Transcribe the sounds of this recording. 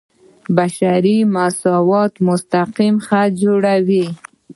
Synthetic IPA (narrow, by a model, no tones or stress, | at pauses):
baʃaɾimasɑwɑt̪mʊst̪aqimxad͡ʒoɽawi